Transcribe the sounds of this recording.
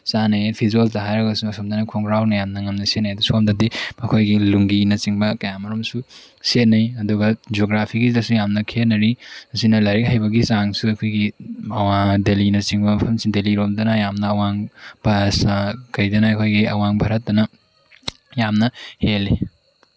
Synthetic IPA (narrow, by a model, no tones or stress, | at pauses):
sanɐjpʰizoltɐɦajɾɐɡɐsumɐsomdɐnɐkʰoŋɾawnɐjamnɐŋɐmnɐset̚najɐdusuomdɐdiɐkʰojɡiluŋɡinɐt͡ʃiŋbɐkɐjamɐɾomsu | set̚nɐjɐduɡɐd͡ʒoɡɾapʰiɡidɐsujamnɐkʰenɐɾiɐsinɐlɐɾik̚hajbɐɡisaŋsuɐkʰojɡimɐwadelinɐt͡ʃiŋbɐmɐpʰɐmsindeliɾomdɐnɐjamnɐːwaŋbʱasakɐjdɐnɐːkʰojɡiɐwaŋbʱaɾɐt̚dɐnɐ | jamnɐhelːi